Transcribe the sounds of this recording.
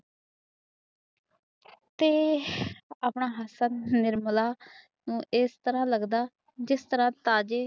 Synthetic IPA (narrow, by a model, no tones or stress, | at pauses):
t̪eː | aːpɳaːɦəsənnɪɾmlaː | nũːʔɪst̪əɾãːləɡd̪aː | d͡ʒɪst̪əɾãːt̪aːd͡ʒeː